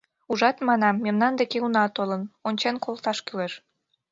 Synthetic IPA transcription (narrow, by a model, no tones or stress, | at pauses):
uʒɑt̪mɑnɑmːemnɑnd̪ekeunɑt̪olənonʲt͡ɕenkolˠt̪ɑʃkyleʃ